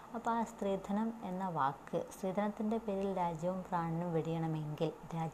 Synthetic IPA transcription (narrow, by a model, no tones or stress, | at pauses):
ɐpast̪riːd̪ʱɐnɐme̞nːɐʋaːkːɨsriːd̪ʱɐnɐt̪ːinde̞peːɾilɾaːd͡ʑjɐʋɐmpraːɳɐnumʋiɽijɐɳɐme̞ŋɡilɾaːd͡ʑ